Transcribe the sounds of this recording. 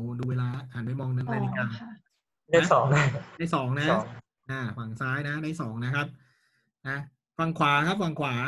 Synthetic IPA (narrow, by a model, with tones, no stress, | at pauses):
duː˧weː˧laː˧a˨˩˦np̬a˧jmɔː˧ŋnɯ˧˥npa˧jli˦˧˩kaː˧ | daː˥˦˥sɔː˩˦ŋ˧da˥˩jsɔː˩˦ŋna˦˥˦ | ʔaː˧˩fa˨˩ŋsaː˦˥jna˦˥daː˥˩jsɔː˩˦ŋna˦˥kʰa˦˥p̚ | ʔaː˧˩ | fa˧ŋkʰwaː˩˦kʰa˦˥p̚fa˧ŋkʰwaː˩˦